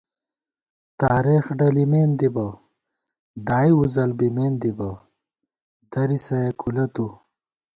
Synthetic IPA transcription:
t̪aːɾeːxɖɐlimeːnd̪ibɐ | d̪aːjuzɐlbimeːnd̪ibɐ | d̪̥ɐɾisɐjekʰulɐt̪u

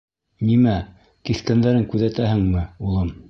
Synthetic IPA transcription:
nimæ | kiθkænd̪æɾɘŋkʉðæt̪æhɘŋmɘulˠɤm

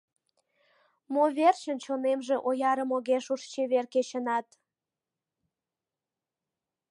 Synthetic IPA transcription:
moβert͡ɕənt͡ɕonemʒeʔojɑɾəmoɣeʃuʃt͡ɕeβerket͡ɕənɑt̪

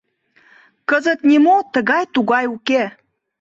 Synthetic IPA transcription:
kəzət̪nʲimot̪əɣɑjt̪uɣɑjuke

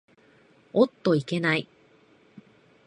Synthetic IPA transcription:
ot̪ːo̞ike̞nai

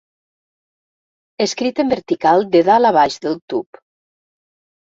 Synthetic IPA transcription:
eskɾit̪əmbeɾt̪ikalˠd̪eðalaβajʒðəlt̪up

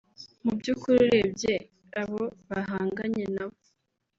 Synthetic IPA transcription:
mubɟuːkuɾiɾebje | aβoβaɦaːŋɡaɲenaβo

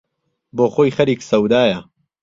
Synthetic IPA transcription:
boːxoːjxɐɾiːksɐwd̪aːjɐ

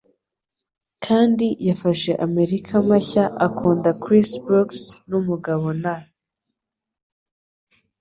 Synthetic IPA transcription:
kʰaːndijafaʃe̞ʔame̞ɾikʰamaçaʔakʰuːndakɾisbuksnumuɡaβo̞na

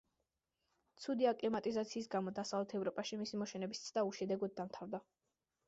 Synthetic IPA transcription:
t̪sʰud̪iakʼlimat̪ʼizat̪sʰiːs̬ɡamɔd̪asavlɛt̪ʰɛvɾɔpʼaʃimisimɔʃɛnɛbist̪sʰd̪auʃɛd̪ɛɡɔd̪̚d̪amt̪ʰavd̪a

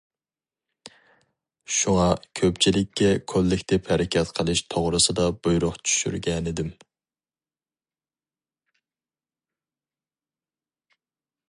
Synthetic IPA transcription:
ʃuŋɑkʲʰøpt͡ʃʰilɪkʲʰːɛkʰolːɪkʲt̪ʰɪphɛɾɪkʲʰɛt̪qʰəlˠɨʃt̪ʰoʁɾɨsɨd̪ɑb̥ujɾʊqt͡ʃʰy̥ʃy̰ɾɡʲɛnɪd̪ɪm

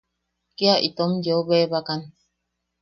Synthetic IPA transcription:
kiaʔit̪omjeoβeβakan

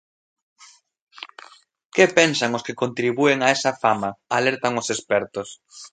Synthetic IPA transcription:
kepensaŋʊskɪkont̪ɾiβueŋaɛsɐfamɐalɛɾt̪ɐŋʊsespɛɾt̪ʊs

